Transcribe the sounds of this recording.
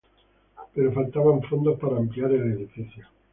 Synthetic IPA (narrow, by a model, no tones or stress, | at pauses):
peɾofalt̪aβaɱfond̪ospaɾaːmpliaɾeleðifiθjo